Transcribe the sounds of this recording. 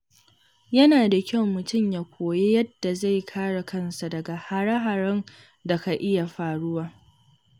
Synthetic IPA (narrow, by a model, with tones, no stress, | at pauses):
jɐ˦naː˨da˨kʲɐ˦˨wːʊ˨tʊ˦˨mjaː˦kʷʰoː˨je˦jɐ˦dːa˨za˦˨jkʰaː˦ɽa˨kʰɐ˦nsa˨dɐ˨ɡa˨ha˨ɽɐ˦ɦa˨ɽɐ˦n | da˨ka˨ʔɪ˦ja˨ɸaː˨ɽʊ˦waː˦